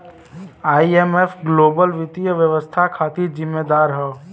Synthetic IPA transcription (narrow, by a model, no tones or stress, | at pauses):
aːieːmeːfɡloːbəlʋɪt̪ijəʋjəʋəst̪ʰakʰaːt̪izɪmːeːd̪aːɾɦɛ